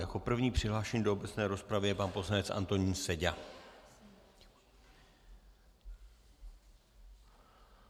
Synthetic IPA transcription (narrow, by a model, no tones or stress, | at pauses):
jako̞pr̩vɲiːpr̥ɪɦlaːʃɛɲiːdoobɛt͡snɛːɾo̞spɾavɪjɛpanpo̞slanɛt͡sʔa̰nt̪o̞ɲiːnsɛɟa